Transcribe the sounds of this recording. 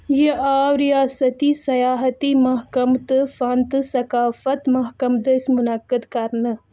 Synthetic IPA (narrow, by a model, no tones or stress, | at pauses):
jeʔaːwɾijaːsɐt̪isɐjaːɦɐt̪imɐɦkɐmt̪ɨfant̪ɨsɐkaːfɐt̪mɐɦkɐmd̪ɐsmunɐkːəd̪kɐɾnə